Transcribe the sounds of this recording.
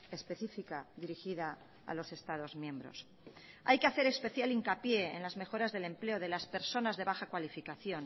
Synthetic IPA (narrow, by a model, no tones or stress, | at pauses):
e̞spe̞θifikaðiɾixiða | a̰lo̞se̞st̪að̞o̞zmjẽ̞mbɾo̞̰s | a̰jke̞aθe̞ɾe̞spe̞θjaliŋkapje̞̰ːnlazme̞xo̞ɾazðe̞le̞mple̞o̞ð̞e̞laspe̞ɾso̞nazðe̞βaxakwalifikaθjo̞n